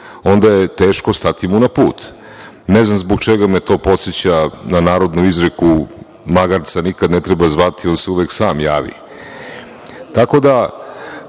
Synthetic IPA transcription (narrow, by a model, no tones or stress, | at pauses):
o̞nd̪ajet̪e̞ːʃko̞st̪at̪imunapuːt̪ | neznamzboɡt͡ʃeɡamet̪o̞ːpo̞t̪set͡ɕananaːɾo̞d̪nuizɾeku | maɡaɾt̪sanikad̪net̪ɾebazʋat̪io̞ːnseuʋeksaːmjaːʋḭ | t̪ako̞d̪a